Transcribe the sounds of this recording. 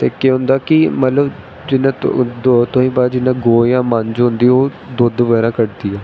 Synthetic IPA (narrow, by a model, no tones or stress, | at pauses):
t̪eːkeɦʊ̃nd̪aːkɪmət̪ləb | d͡ʒɪnãːt̪ʊɦĩːbaːd̪d͡ʒɪnãːɡoːjãːmənd͡ʒɦʊ̃nd̪iːoː | d̪ʊd̪ʋɛːɾãːkəʈd̪iːɛː